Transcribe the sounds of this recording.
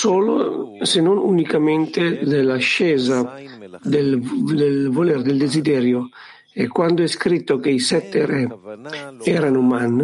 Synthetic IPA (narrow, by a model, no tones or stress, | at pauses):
soːlo̰senonunikament̪ed̪elːaʃːɛːzad̪eld̪elvoleɾd̪eld̪ezid̪ɛːɾjo | ɛkːwand̪oɛskɾit̪ːokeisɛt̪ːeɾɛ | ɛːɾanoman